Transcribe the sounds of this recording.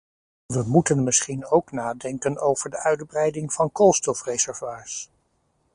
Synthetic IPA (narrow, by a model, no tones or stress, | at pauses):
ʋəmutənmɪsχinowknaːdɛŋkənowv̥əɹdəʔœɥdbrɛjdɪŋv̥ɑnkolˠstɔfrezɛɹvwaːɹs